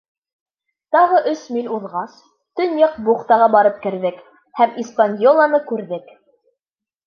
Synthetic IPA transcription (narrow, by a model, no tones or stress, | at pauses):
t̪ɑʁɤʔɵsmilʲuðʁɑs | t̪ɵnjɤqbuχt̪ɑʁɑbɑɾɤp̚kɘ̆ɾðɘk | hæmispanʲjolˠɑnɤkʉɾðɘk